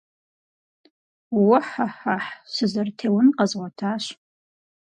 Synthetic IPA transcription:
wʊħaħaħɕɨzɐrtʰeːwʊnqɐzʁʷɔtʰaːɕ

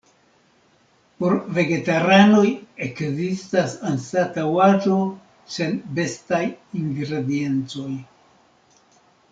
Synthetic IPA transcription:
po̞ɾve̞ɡe̞taɾano̞je̞kzistasansatawad͡ʒo̞ | senbe̞stajiŋɡɾe̞die̞nt͡so̞j

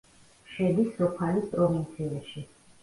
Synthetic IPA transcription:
ʃɛd̪isːɔpʰalispʼɾɔvint̪sʰiɛʃi

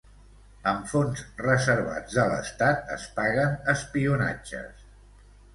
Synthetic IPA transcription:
əmfonzrəzəɾβa̰d͡zðələ̰st̪at̪̚ə̰spaɣənəspiuna̰d͡ʒə̰s

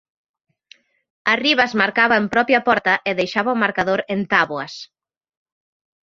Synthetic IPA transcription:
ɐriβazmaɾkaβɐempɾɔpjɐpɔɾt̪ɐʔɪðejʃaβɐʊmaɾkaðoɾent̪aβwɐs

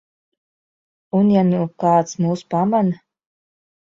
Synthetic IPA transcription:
unjanukaːt̪smuːspaman

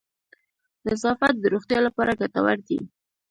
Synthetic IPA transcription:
nazɑfat̪̚d̪əɾoxt̪jɑlapɑɾaɡat̪awaɾd̪ḭ

